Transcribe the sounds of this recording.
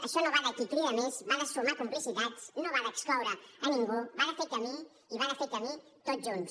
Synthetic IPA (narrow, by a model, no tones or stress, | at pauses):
aʃonoβaðakit̪ɾiamezβaðasumakumplisit̪at̪t͡snoβaðaekskawɾaaniŋɡoβaðafet̪eami | iβaðafet̪eami | t̪ot̪̚d͡ʒons